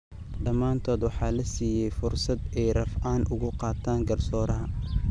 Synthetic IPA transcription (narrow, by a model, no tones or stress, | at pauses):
ɖɐmːaːnt̪ʰɔːd̪wɑħɑːlɐsiːjɛjfʊrsɐd̪ɛjrɐfaːnʔʊɣʊqɑːt̪ʰaːŋɡɐrsɔːɾɐɦɐ